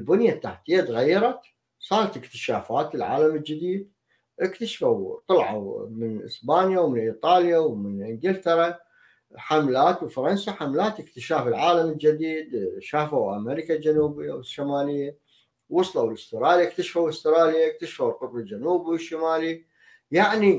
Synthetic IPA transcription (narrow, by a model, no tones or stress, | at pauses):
lbʊnjat̪ːaħt̪ijːad̪ɣajːɑɾˤɑt̪ | sˤɑːɾˤɑt̪ɪkt̪ɪ̥ʃaːfaːt̪ɪlʕa̰ːlamɪld͡ʒɪd̪iːd̪̚ | ʔɪkt̪aʃfawt̪ˤɑlʕa̰mɪnʔɪ̰sbaːnjawmɪnʔiːt̪ˤɑːljawmɪnʔɪŋɡɪlt̪ɑɾˤɑ | ħamlaːt̪wfɑɾˤɑnsaħamlaːt̪ɪkt̪ɪʃaːfɪlʕaːlamɪld͡ʒɪd̪iːd̪ʃaːfawʔa̰meɾikald͡ʒanuːbɪjːawɪʃːamaːlɪjːa | wːʊsˤlawlɪst̪ɪɾˤɑːljaʔkt̪aʃfawɪst̪ɪɾɑːljaʔɪk̚t̪aʃfawlqʊt̪ˤbald͡ʒanuːbiwɪʃːamaːli | jaʕni